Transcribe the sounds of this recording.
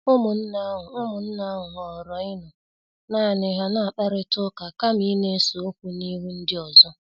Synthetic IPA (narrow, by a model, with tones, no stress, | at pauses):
ʊ˦mʊ˨n̩˦na˦ɦʊ˨ʊ˦mʊ˨n̩˦na˦ɦʊ˨ɦɔ˨ɾɔ˨ɪ˦nʊ˨ | naː˦˨nɪ˨ɦa˦na˦˨k͡pa˦ɾɪ˦tʊ˦ka˨ka˦mi˦ne˦so˨o˦kʷu˨ni˦ɦu˦n̩˦dɪ˦ɔ˨zɔ˦